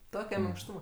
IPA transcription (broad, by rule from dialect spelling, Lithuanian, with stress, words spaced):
ˈtoːkʲɛ mʲɪŋkˈʃtuːmɐ